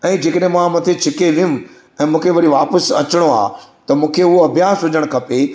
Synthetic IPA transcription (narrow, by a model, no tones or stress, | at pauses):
ɛ̃ːd͡ʑeːkəɗɦẽmãmɐ̃t̪ʰet͡ɕʰɪkeʋɪjũ | ɛ̃ːmũːkʰeʋɐɽiʋaːpəsɐ̰t͡ɕɽ̃oa̰ːt̪ɐmũːkʰeɦʊoɐbʱjaːsɦʊd͡ʑəɽ̃kʰɐpe